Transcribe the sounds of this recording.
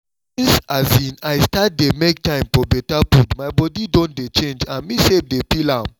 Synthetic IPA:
ĩnsazĩnaɪstat̚demek̚tãɪ̃mfɔbɛtapudmaɪbɔdidõnt̚det͡ʃẽnd͡ʒãnmisev̚depilãm

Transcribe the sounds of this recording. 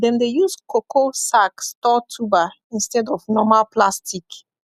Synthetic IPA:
dɛ̃mdejuskokʰosakstɔtʰuba | ĩnstɛdɔvnɔmalpʰlastik

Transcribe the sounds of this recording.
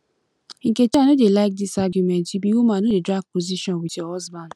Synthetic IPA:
ŋ̩ket͡ʃanodelaɪk̚disaɡjumɛntibiwumãnodedɾaɡ̚poziʃɔ̃nwiteɔzban

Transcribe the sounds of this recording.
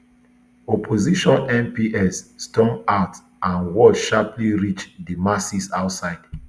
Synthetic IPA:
ɔpʰoziʃɔ̃nɛ̃mpiʔɛsːtɔ̃ŋat | ʔãnwɔʃapʰliɹit͡ʃdimasisaʊtsaɪd̥

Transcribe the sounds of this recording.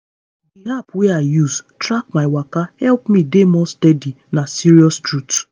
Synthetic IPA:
diɦapweaɪjuztɹakmaɪwakahɛlpmĩdemɔstɛdi | nasiɹiɔstɹut

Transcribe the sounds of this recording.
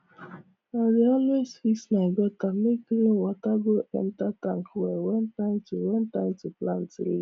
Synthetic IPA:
nɔdeɔlwesfisnaeɡɔtamekɾewataɡoʔɛ̰ntataŋkwɛɾwɛntaɪmtuwɛntaɪmtuplãntlḛ

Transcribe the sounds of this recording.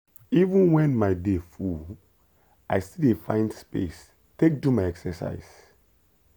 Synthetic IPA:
ivũnwɛ̃nmaɪdefu | ajstilefã̰ɪ̃ndspḛs | tek̚dumaɪɛksɛsa̰ɪz̥

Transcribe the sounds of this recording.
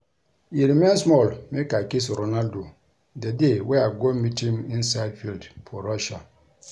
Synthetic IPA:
iɾmẽnsmɔlmekakes̬ɾonaldo | dɛdewɛaɡɔmitʰĩmĩnsaɪdfildfʰɔɾaʃa

